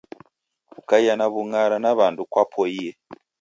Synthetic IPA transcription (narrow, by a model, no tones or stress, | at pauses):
ukaianaβuŋaɾanaβaːndukwapʰoije